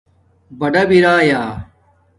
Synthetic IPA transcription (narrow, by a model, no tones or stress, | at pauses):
bɐɖɐbiɾaːjaː